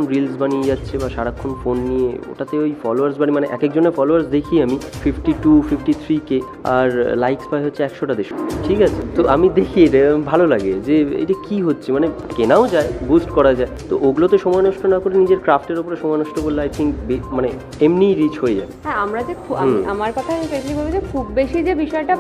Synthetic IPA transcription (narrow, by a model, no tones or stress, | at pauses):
mɾilsbanied͡ʑatːɕʰebaʃaɽakʰːonofonːieo̰ʈat̪eojfɔloaɾsbanimaneʔɛkekd͡ʑonːefɔloaɾsd̪ekʰiamififʈiʈufifʈit̪ʰɾike | a̰ɾlajkspaeɦotːɕʰeɛkʃoʈad̪eʃoʈʰikat͡ɕʰet̪oʔamid̪ekʰieɾbʱalolaɡed͡ʑeḛjʈakiɦotːɕʰimane | kenaod͡ʑaebusʈkɔɾad͡ʑaet̪o̰ʔoɡulot̪oʃɔmɔenɔʃʈonakoɾenid͡ʑeɾkɾafʈeɾopoɾeʃɔmɔenɔʃʈobolːajʈ̪ʰiŋbemane | emniɾit͡ɕɦoed͡ʑa̰beɦɛ̃amɾad͡ʑekʰuaiamaɾkɔt̪ʰamifeklibabed͡ʑekʰubːeʃid͡ʑebiʃɔeʈa